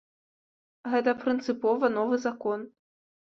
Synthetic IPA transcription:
ɣɛt̪ɐpɾɨnt̪sɨpɔvɐnɔvɨzakɔn

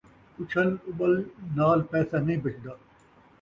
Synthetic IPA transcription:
ʊt͡ʃʰəlʊɓəlnaːlpɛːsanɐĩːbɐt͡ʃʰd̪aː

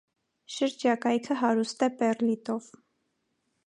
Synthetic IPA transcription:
ʃəɾd͡ʒɑkɑjkʰəɦɑɾust̪ɛpɛrlit̪ɔv̥

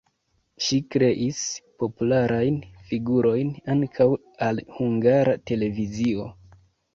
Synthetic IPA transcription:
ʃikɾe̞ʔispo̞pulaɾʔajnfiɡuɾo̞jnaŋkʰaw | alhuŋɡaɾate̞le̞vizio̞

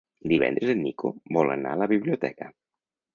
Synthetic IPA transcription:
d̪iβɛ̰nd̪ɾəzənːikobɔlə̰na̰ələβiβliut̪ɛkə

